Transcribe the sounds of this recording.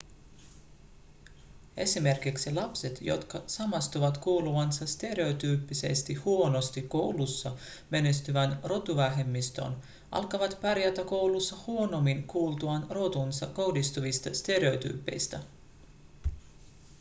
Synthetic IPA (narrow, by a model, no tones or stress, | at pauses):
e̞̰sime̞rk̟iksilɑpse̞t̪jo̞̰t̪kɑsɑmɑst̪uʋɑt̪kuːluʋɑnsɑst̪e̞ɾe̞o̞t̪yːpːise̞̰st̪ihuo̞no̞st̪ikkːo̞wlusːɑ | me̞ne̞st̪yʋænro̞t̪uʋæɦe̞mːist̪o̞̰n | ʔɑ̰lkɑʋɑt̪pæɾjæt̪æko̞wlusːɑhuo̞no̞mːiŋkuːlt̪uɑnro̞t̪unsɑko̞hdist̪uʋist̪ɑst̪e̞ɾe̞o̞t̪y̰ːpːe̞jst̪æ